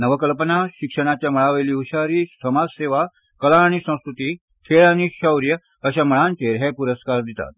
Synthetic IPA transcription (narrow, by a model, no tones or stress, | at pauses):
nəʋəkəlpənaɕikʂəɽ̃at͡ɕjaməɭaʋeliːuɕaɾiːsəmad͡zseʋa | kəlaɽ̃isə̃w̃skɾut̪iː | t̪ʰeɭaɽ̃iɕəwɾjə | əɕaməɭant͡ɕeɾɦɛpuɾəskaɾd̪it̪a̰t̪̚